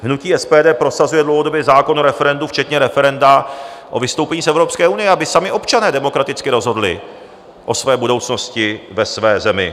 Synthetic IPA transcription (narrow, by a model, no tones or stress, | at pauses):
ɦnuciːɛspɛːdɛːpɾo̞sazujɛdlowɦodobjɛzaːko̞noɾɛfɛɾɛnduft͡ʃɛt̪ɲɛɾɛfɛɾɛndaʔo̞vɪst̪owpɛɲiːsɛvɾo̞pskɛːunɪjɛabɪsamɪʔo̞pt͡ʃanɛːdɛmo̞kɾat̪ɪt͡skɪɾo̞zɦo̞dlɪ̰ | ʔo̞svɛːbudo̞wt͡sno̞scɪvɛsvɛːzɛmɪ̰